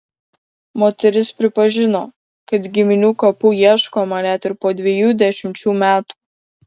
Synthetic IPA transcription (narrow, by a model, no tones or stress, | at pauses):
moːt̪ʲɛɾʲɪspʲɾʲɪpɐʒʲɪnoː | kɐt̪ɡʲɪmʲɪnʲuːkɐpujiɛʃkoːmɐnʲæt̪ɪɾpoːd̪ʲʋʲɛjuːd̪ʲæʃʲɪmʲt͡ʃʲuːmʲæːt̪u̥ː